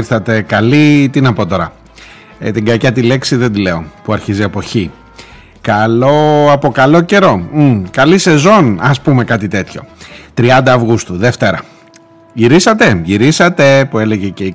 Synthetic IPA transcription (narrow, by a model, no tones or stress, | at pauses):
ɾθɐt̪e̞kɐlit̪inɐpo̞t̪o̞ɾɐ | t̪iɡɐcɐt̪ile̞ksiðed̪ileo̞puɐɾçiziepo̞çi | kɐlo̞ɐpo̞kɐlo̞ce̞ɾo̞kɐlise̞zo̞nɐspume̞kɐt̪it̪e̞t̪ço̞̰t̪ɾiɐnd̪ɐːvɣust̪uðe̞ft̪e̞ɾɐ | ʝiɾisɐt̪e̞ʝiɾisɐt̪e̞pue̞le̞ɣʝecei